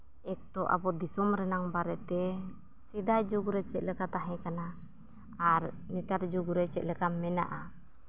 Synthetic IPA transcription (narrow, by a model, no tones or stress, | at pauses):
ɛk̚t̪ɔʔa̰pɔd̪isɔmɾɛnaŋbaɾɛt̪ɛ | sidad͡ʒuɡuɾet͡ʃɛʔləkat̪aɦɛkana | aɾnit̪ard͡ʒuɡuɾɛt͡ʃɛʔləkamːɛna̰ʔa